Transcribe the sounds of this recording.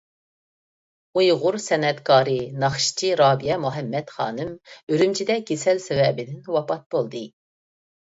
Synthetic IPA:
ujʁʊɾsɛnɛt̪kʰɑːɾɨnɑχʃt͡ʃʰiɾɑːbijɛmuɦɛmːɛt̪χɑ̰ːnɨmøɾymt͡ʃʰid̪ɛɡʲesɛlsɛwɛbɪd̪ɪnwɑpʰɑt̪̚b̥olˠd̪ɨ

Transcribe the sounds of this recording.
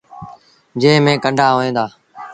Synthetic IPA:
d͡ʒẽːmẽːkəɳɖʱaːɦoːẽːnd̪aː

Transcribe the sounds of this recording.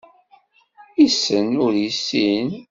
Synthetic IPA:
isənʊɾjisːin

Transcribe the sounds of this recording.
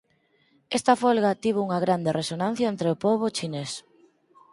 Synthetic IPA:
est̪ɐfolɣat̪iβ̞ouŋɐɣɾand̪erʔesonãn̟θjɐent̪ɾeopoβ̞ʊt͡ʃines

